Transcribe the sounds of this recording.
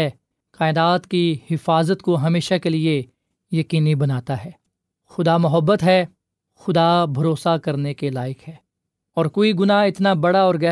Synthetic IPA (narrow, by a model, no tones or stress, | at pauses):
ɛ | kaːɪd̪aːt̪kihɪfaːzət̪koɦɐmeːʃakelie | jɐkiːnibɐnaːt̪aɦɛː | xʊd̪amʊɦəbːət̪ɦɛː | xʊd̪aːbʱɐɾoːsakɐɾnekelaːɪkɦɛː | ɔːɾkoːiɡʊnaɪt̪nabɐɽaɔːɾɡɛː